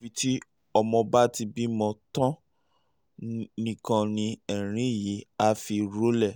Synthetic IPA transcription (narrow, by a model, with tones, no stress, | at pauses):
i˨˦ti˦ | ɔ˧mɔ̃˧ba˦ti˧bi˦mɔ̃˧tɔ̃˦ | nĩ˦kɔ̃˧nĩ˧ɛ˨ɾ̃ĩ˦˨ji˨˦a˧fi˧ɾo˦lɛ˦˨